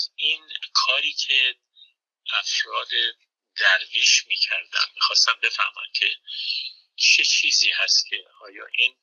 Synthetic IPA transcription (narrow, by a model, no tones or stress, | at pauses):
ʔinkʰɒːɾiːcʰe̞ | ʔæfɾɒːd̪e | d̪æɾviːʃmiːcʰæɾd̪æ̰nmiːxɒːst̪æmbe̞fæ̰hmɒ̰ncʰe̞ | t͡ʃʰet͡ʃʰiːziːhæst̪cʰe̞ | ɒːjɒ̰ːʔiːn